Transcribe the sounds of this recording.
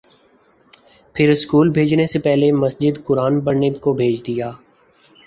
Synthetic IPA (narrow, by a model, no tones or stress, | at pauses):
pʰɪɾɪskuːlbʱeːd͡ʒnesepɛɦlemɐsd͡ʒɪd̪kʊɾaːnbɐɾnekobʱeːd͡ʒd̪ɪjaː